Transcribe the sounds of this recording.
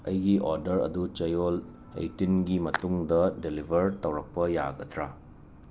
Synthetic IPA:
ɐjɡiʔoɾdɐɾɐ̰dut͡ʃɐjol | ḛjtinɡimɐtuŋdɐdelibʱɐɾtɐwɾɐk̚pɐja̰ɡɐtʰɾa

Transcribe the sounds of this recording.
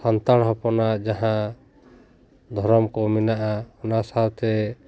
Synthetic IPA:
sant̪aɽɦɔpɔnad͡ʒaɦã | d̪ʱɔɾɔmkɔmɛnaʔaɔnasawt̪ɛ

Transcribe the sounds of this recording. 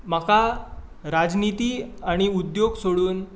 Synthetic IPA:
makʰa | ɾad͡znit̪iːaɽ̃iud̪joɡsoɽuːn

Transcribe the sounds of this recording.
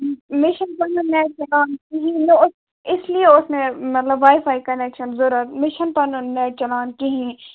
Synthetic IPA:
mɪʃənpɐnõnɛːʈ̚t͡ʃɐlaːnkiɦĩnʊs | ɪslieʊsmẽmɐt̪ləbʋaːɪfʰaːikɐnɛːkʃənzʊɾət̪mɪʃənpɐnonɛːʈ̚t͡ʃɐlaːnkiɦĩ

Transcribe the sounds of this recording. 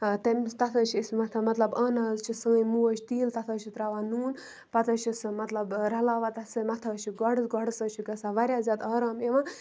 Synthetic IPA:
t̪ɐmt̪ɐt̪ʰəːt͡ʃʰismɐt̪ʰɐmɐt̪lɐbɐːnɐːzt͡ʃʰisɐ̃ŋəjmuət͡ʃʰt̪iːlt̪ɐt̪ʰəːt͡ʃʰit̪ɾaːʋaːnuːn | pɐt̪ɐːt͡ʃʰisɨmɐt̪lɐbɾɐlaːʋat̪ɐsɨmɐt̪ʰɐːt͡ʃʰiɡɐɽɨsɡɐɽsəːt͡ʃʰiɡɐsaʋɐɾʲjaːzʲaːd̪aːɾaːmjeʋã

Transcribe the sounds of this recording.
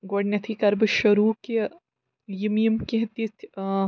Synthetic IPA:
ɡoɽnʲɐt̪ʰikɐɾbɨʃɐɾuːke | jimijəmkeɦt̪it̪ʰ

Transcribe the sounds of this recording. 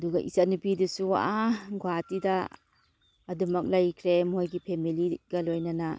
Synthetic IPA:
ɐduɡɐʔḭsanupidusuwa̰ʔaɡatida | ɐdumɐk̚lajkʰɾemɦojɡipʰemiliɡɐlojnɐna

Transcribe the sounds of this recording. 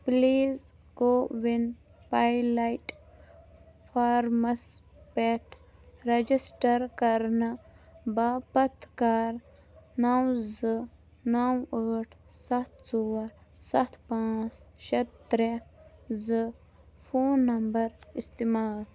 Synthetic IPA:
pliːz | ɡoːʋin | pajlajʈ | fʰaːɾmɐs | peʈʰɾɐd͡ʒisʈɐɾkɐɾnabapɐt̪ʰkaɾ | nawzɨ | nawəʈʰsɐt̪ʰsowɐɾsɐt̪ʰpãːt͡sʃɐt̪̚t̪ɾezɨ | fʰoːnːɐmbɐɾist̪imaːl

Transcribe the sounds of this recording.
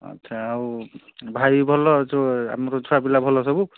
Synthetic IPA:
a̰tːsʰaːubʱajbʱɔlɔtɔa̰mɔɾɔd͡zʰuabilabʱɔlɔs̬ɔbu

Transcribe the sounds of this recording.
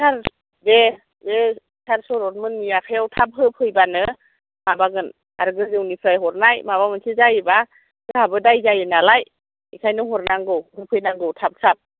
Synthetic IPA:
sʰaɾ | be | be | sʰaɾsɔɾɔt̚mɯnːiakʰajawtʰap̚ɦɯpʰɯjbanɯ | mabaɡɯn | a̰ɾɡɯzɯwnipʰɾajɦɔɾnajmabamɯnsʰɯzajɯba | ɡɯhabɯdajzajɯnalaj | ikʰajnɯŋɦɔɾnaŋɡɯwhɯpʰɯjnaŋɡɯwtʰap̚sʰap̚

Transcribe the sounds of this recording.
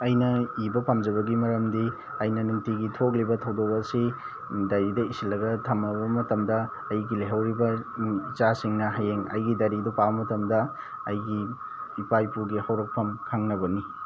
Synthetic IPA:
ɐjnɐibɐpʰamd͡ʒɐbɐɡimɐɾɐmdi | ɐjnɐnuŋtʰiɡitʰok̚libɐtʰɐwdokɐsi | dɐɾidɐisilːɐɡɐtʰɐmɐbɐmɐtɐmdɐː | jɡileɦɐwɾibɐt͡ʃasiŋnɐɦɐjeŋɐ̰jɡidɐɾidupabɐmɐtɐmdɐ | ɐjɡiː | pajpuɾɡihɐwɾɐk̚pʰɐmkʰaŋnɐbɐni

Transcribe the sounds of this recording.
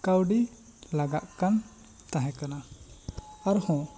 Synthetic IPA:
kawɖi | laɡaʔ̪kan | t̪aɦɛ̃kana | aɾhɔ̃

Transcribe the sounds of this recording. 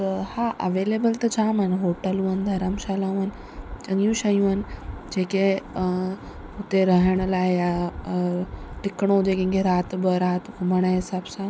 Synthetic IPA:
t̪əhaʔəʋeːleːbəlt̪ɐd͡ʒaːmənɦoːʈəlũənd̪ʱɐɾamʃaːlaũən | t͡ʃɐŋjũʃɐjũənd͡ʒeːke | ʊt̪eɾəɦəɽ̃əlaːɦeja | ʈɪkɽ̃od͡ʒekẽŋɡeɾaːt̪bəɾaːt̪ɡʊməɽ̃aɦɪsaːbsã

